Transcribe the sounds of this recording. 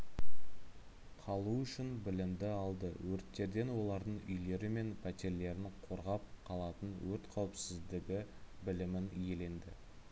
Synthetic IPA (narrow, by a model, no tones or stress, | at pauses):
qʰɑlˠuʏʃɪnbɪlɪmd̪ɪɑlˠd̪əwɵɾt̪ːe̞ɾd̪e̞nwo̞lˠɑɾd̪əɴʏ̰jle̞ɾɪme̞npʰæt̪e̞ɾle̞ɾɪnqʰo̞ɾʁɑp̚qʰɑlˠɑt̪ənwɵɾt̪qʰɑwɪpsɪzd̪ɪɡʲɪbɪlɪmɪnje̞le̞nd̪ɪ̰